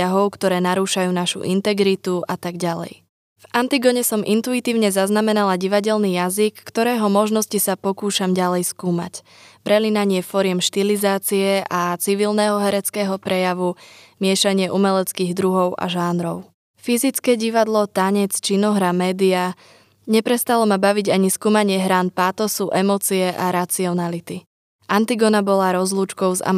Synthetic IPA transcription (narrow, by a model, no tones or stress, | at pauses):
aɦɔʊkt̪ɔɾɛːnaɾuːʃajuːnaʃṵʔint̪ɛɡɾit̪uʔat̪aɡɟalɛ̰j | vant̪iɡɔɲɛsɔmʔḭnt̪uit̪iːʊɲɛzaznamɛnalaɟiʋaɟɛlniːjazikːt̪ɔɾɛːɦɔmɔʒnɔscisapɔkuːʃamɟalɛjskuːma̰c | pɾɛlinaɲɪɛfɔɾɪɛmʃt̪ilizaːt͡siɛʔat͡siʋilnɛɦɔɦɛɾɛt͡skɛːɦɔpɾɛjaʋumɪɛʃaɲɪɛʔumɛlɛt͡skiːɣd̪ɾuɦɔʊʔa̰ʒaːnɾɔʊ | fizit͡skɛːɟiʋad̪lɔt̪aɲɛt͡st͡ʃinɔɦɾamɛːd̪ia | ɲɛpɾɛst̪alɔmabaʋiɟaɲiskuːmaɲɪɛɦɾaːnpaːt̪ɔsuʔɛmɔt͡siɛʔaɾat͡siɔnalit̪i | ʔant̪iɡɔnabɔlaɾɔzlˠuːt͡ʃkɔʊza̰